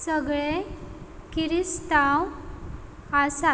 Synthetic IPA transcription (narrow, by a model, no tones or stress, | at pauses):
səɡɭe | kiɾist̪aw | asa